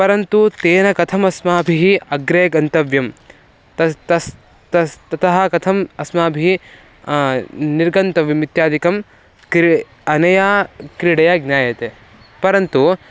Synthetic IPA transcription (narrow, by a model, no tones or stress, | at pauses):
pɐɾɐnt̪ut̪eːnɐkɐt̪ʰɐmɐsmaːbʱiɦiɐɡɾeːɡɐnt̪ɐʋjɐm | t̪ɐt̪ɐs | t̪ɐt̪ɐt̪ʰɐɦɐkɐt̪ʰɐmɐsmaːbʱii | niɾɡɐnt̪ɐʋjɐmit̪jaːd̪ikɐm | kɾ | ɐnɐjaːkɾiɽɐjaːɡnjaːjɐt̪eː | pɐɾɐnt̪u